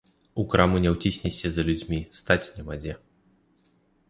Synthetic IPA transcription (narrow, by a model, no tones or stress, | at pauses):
ukɾamunʲɛwt͡sʲisʲnʲɛsʲɐzɐlʲud͡zʲmʲist̪at͡sʲnʲɛmad͡zʲɛ